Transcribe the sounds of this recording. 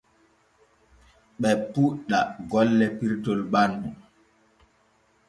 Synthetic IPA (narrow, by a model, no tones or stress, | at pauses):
ɓɛpuɗːaɡɔlːɛpiɾtɔlbanɗu